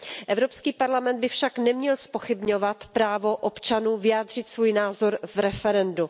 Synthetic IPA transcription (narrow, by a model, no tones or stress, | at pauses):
ʔɛvɾo̞pskiːpaɾlamɛnd̪bɪfʃaknɛmɲɛlspo̞xɪbɲo̞vat̪pɾaːvo̞ʔopt͡ʃanuːvɪjaːd̪r̝̥ɪt̪svuːjnaːzo̞ɾvɾɛfɛɾɛndu